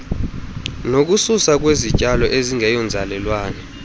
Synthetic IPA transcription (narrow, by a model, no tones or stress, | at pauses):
nok̬ususak̬wezicʼalɔʔeziŋʱɛjɔnd͡zʱalɛlwaːnɛ